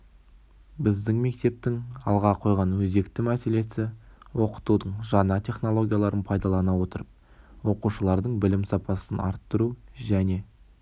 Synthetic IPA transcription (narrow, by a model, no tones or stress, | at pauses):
bɪzd̪ɪŋme̞k̚t̪e̞p̚t̪ɪŋɑlˠʁɑqʰo̞jʁɑnwɵze̞kt̪ɪmæse̞le̞sɪwo̞qə̥t̪ud̪əɴʒɑnɑt̪ʲʰe̞χno̞lˠo̞ɡʲijalˠɑɾənpʰɑjd̪ɑlˠɑnɑwot̪əɾəp̚ | wo̞quʃəlˠɑɾd̪əɴbɪlɪmsɑpɑsənɑ̰ɾt̪ːəɾuʒæne̞